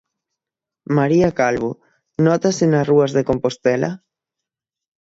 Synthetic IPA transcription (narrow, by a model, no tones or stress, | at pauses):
maɾiakalβu | nɔt̪asenasruazðekompost̪ɛlʔa̰